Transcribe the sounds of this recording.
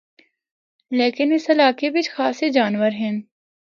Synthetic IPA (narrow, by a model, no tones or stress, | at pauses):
leːkɪnɪsɐlaːkebɪt͡ʃʰxaːsed͡ʒaːnʋəɾɦɛ̃n